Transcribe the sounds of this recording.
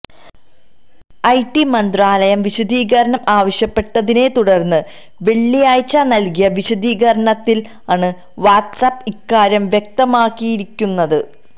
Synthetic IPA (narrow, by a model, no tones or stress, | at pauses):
ɐjʈːimɐnd̪raːlɐjɐmʋiɕɐd̪ʱiːɣɐɾɐɳɐmaːʋɐɕjɐpːe̞ʈːɐðine̞t̪uɽɐrnːɨ | ʋe̞ɭːijaːjt͡ɕːanɐlkijɐʋiɕɐd̪ʱiːɣɐɾɐɳɐt̪ːil | aːɳɨ | ʋaːʈsɐpːikːaːɾjɐmʋjek̚t̪ɐmaːkːijiɾikʲːunːɐðɨ